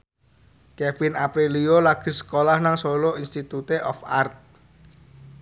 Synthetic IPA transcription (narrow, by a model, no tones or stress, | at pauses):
kɛfinapɾiliolaɡ̥i̤sə̥kolahnaŋsoloinst̪it̪ut̪eʔɔfart̪̚